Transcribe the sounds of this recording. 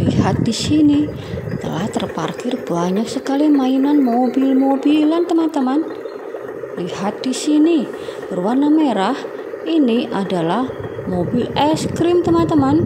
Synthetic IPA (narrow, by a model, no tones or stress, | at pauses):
liɦat̪̚disini | t̪ə̰laht̪ərpa̰rkɪrb̥aɲak̚səkalimainanmobɪlmobilant̪əmant̪əman | lihat̪̚d̥isini | b̥ərwarnameɾah | ʔiniʔadalahmobilɛskɾɪmt̪əmant̪əman